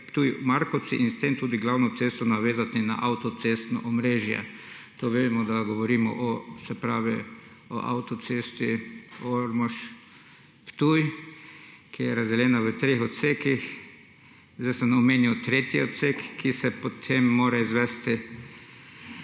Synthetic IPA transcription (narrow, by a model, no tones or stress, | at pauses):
pt̪uːjmaɾkɔsiʔinst̪emt̪uːd̪iɡlawnɔt̪sest̪ɔnaʋeːzat̪ina̰ʔawt̪ɔt̪sest̪nɔ̰ʔɔmɾeːʒjɛ̰ | t̪oʋed̪mɔd̪aɡɔʋɔɾiːmɔ̰ʔɔsɛpɾaːʋi | ɔ̰ʔa̰wt̪ɔt̪seːst̪ioɾmɔʃ | pt̪uj | kʰijɛɾazd̪ɛlɛːnaʋət̪ɾexɔt̪sekix | zd̪asɛnɔmeːniwt̪ɾet̪iɔt̪sekʰːisɛpot̪ʰemːoːɾaizʋɛst̪ɪ